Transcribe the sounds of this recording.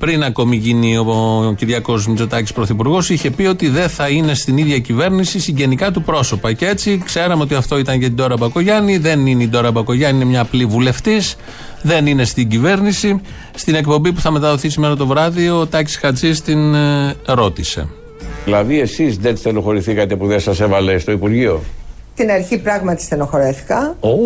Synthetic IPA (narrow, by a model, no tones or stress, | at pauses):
pɾinɐko̞miʝinio̞ciɾʝɐko̞smizo̞t̪ɐci̥spɾo̞θipuɾɣo̞siçe̞pio̞t̪iðe̞θɐine̞st̪iniðʝɐcive̞ɾnisisiɟe̞nikɐt̪upɾo̞so̞pɐcee̞t͡sikse̞ɾɐmeo̞t̪̬iɐft̪o̞it̪ɐnʝɐt̪id̪o̞ɾɐbɐko̞ʝɐniðe̞nineid̪o̞ɾɐbɐko̞ʝɐniinemɲɐplivule̞ft̪is | ðe̞nine̞st̪iɟive̞ɾnisi | st̪ine̞kpo̞mbipuθɐme̞t̪ɐðo̞θisimeɾɐt̪o̞vɾɐðiot̪ɐci̥sxɐt͡sist̪inɾo̞t̪ise̞̰ | ðilɐðie̞sizðensθeloxo̞ɾiθikɐt̪e̞puðensɐse̞vɐlest̪o̞ipuɾʝio̞ | t̪inɐɾçipɾɐɣmɐt̪i̥st̪enoxoɾeθi̥kɐo